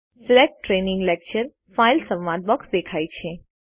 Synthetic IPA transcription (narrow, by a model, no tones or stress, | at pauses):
sɪlek̚ʈʈːɾeːnɪ̃ŋɡlɛk̚t͡ʃəɾ | failsə̃ʋʋad̪̚bɔksd̪eːkʰaːit͡ʃʰe